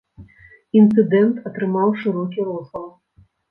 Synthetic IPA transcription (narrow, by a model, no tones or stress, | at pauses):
int̪sɨd̪ɛnt̪ɐt̪ɾɨmawʂɨɾɔkʲiɾɔslˠɐwˠ